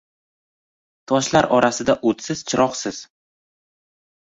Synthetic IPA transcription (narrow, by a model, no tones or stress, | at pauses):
t̪ʰɒʃlaɾɒɾʔasɪd̪aʔot̪sɪz̥t͡ʃʰɪɾʔɒqsɪz̥